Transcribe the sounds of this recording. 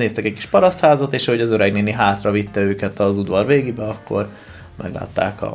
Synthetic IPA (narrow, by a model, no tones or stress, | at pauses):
neːst̪ɛkɛcki̥ʃpɒɾɒst̪haːzɒt̪eːʃɒɦo̞ɟɒzø̞ɾɛɡneːniɦaːt̪rɒvit̪ːɛøːkɛt̪ɒzud̪ʋɒrveːɡibɛɒkːo̞̰r | mʔɛ̰ɡla̰ːt̪ːa̰ːkɒ̰